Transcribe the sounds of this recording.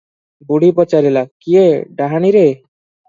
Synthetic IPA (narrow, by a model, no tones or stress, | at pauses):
buɽ̤ipɔt͡ʃaɾilakieɖaɦaɽ̃iɾe